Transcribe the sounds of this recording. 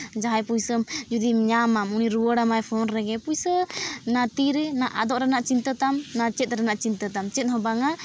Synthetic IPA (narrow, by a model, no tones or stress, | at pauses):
d͡ʒaɦajpujsəmd͡ʒud̪imɲamamuniɾuwəɽamajpʰɔnɾɛɡɛpujsənat̪iɾɛnaʔa̰d̪ɔʔɾanaʔt͡ʃint̪ət̪amnat͡ʃɛt̪̚ɾanaʔt͡ʃint̪ət̪amt͡ʃɛt̪̚ˀɦɔbaŋa